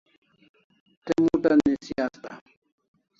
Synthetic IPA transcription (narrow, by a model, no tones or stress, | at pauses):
t̪emuʈanisiast̪a̰